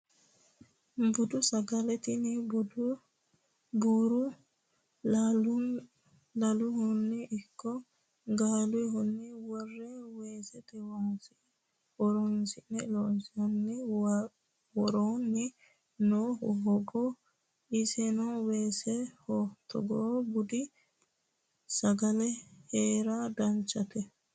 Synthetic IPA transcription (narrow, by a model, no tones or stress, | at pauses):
bʊd̪ʊsɐɡɐlɛt̪ɪnɛbʊd̪ʊ | buːɾʊ | lɐlʊhʊnːɛʔɪkːɔ | ɡaːlʊjɦʊnːɛwɔrːɛweːsɛt̪ɛwɔnsɪ | wɔɾɔnsɪnːɛlonsɪɐnːɛ | wɔɾoːnːɛ | noːhɦɔɡɔ | ɪsɛnɔweːsɛhot̪ʰːɔ̰ɡɔbʊd̪ɪ | sɐɡɐlɛheːɾad̪ɐnt͡ʃːɐt̪ɛ